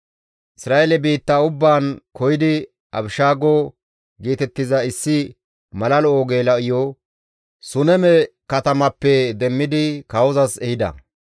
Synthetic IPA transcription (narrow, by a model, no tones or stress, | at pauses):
ʔɪsɾaːelɛbiːt̪ːaːʊbːaːnkɔjɪd̪ɪ | ʔɐ̰bɪʃaːɡo | ɡiːt̪ɛt̪ːɪzɐɪsːɪ | mɐlɐloːɡeːlɐʔɪjɔ | sʊnɛmɛ | kɐt̪ɐmɐpːɛd̪ɛmːɪd̪ɪkɐwɔzɐsɛhɪd̪ɐ̰